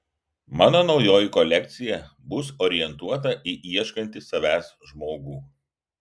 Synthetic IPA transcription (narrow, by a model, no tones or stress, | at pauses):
mɑːnoːnɒʊjoːjɪkɔlʲɛkʲt̪sʲɪjɛbʊsɔɾʲɪjɛnt̪uɔt̪̬ɐʔiʔiɛʃkɐnʲt̪ʲɪsɐʋʲæːs | ʒmoːɡuː